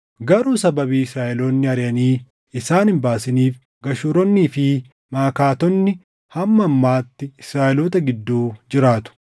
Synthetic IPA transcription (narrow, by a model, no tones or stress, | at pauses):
ɡɐɾuːsɐbɐbiːɪsɾaːʔɛloːnːɪɐɾɪjɐniː | ɪsaːnhɪmbaːsɪniːf | ɡɐʃuɾɔnːiːfɪ | maːkaːt̪ɔnːɪ | hɐmːɐːmːaːt̪ːɪɪsɾaːʔɛloːt̪ɐɡɪd̪ːuːd͡ʒɪɾaːt̪ʊ̥